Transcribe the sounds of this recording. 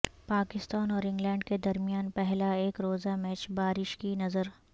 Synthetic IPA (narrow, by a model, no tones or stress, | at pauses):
paːkɪst̪aːnɔːɾɪ̃ŋɡlɛ̃ːɳɖked̪ɐɾmijaːnpɛɦlaeːkɾoːzamɛːt͡ʃbaːɾɪʃkinɐzəɾ